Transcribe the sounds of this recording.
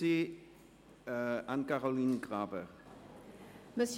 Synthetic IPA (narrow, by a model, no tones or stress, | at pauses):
i | əanɡaɾɔlˠinɡrabɛr | məs